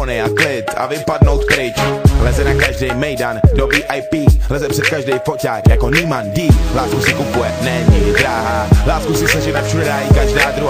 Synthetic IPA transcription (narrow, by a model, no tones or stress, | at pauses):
nɪaklɪt̪a̰vɪpadnowt̪̚pɾɪt͡ʃlɛzɛnakaʒdɛjmɛjdandobiːʔajpiːlɛzɛpr̥ɛt̪̚kaʒdɛjfocaːkjakoniːmandiːlaːskusɪkupujɛnɛɲiɡɪd̪ɾaːɦaːlaːskusɪsaʒɛnɛfʃudɛɾaːɪkaʒdaːd̪ɾu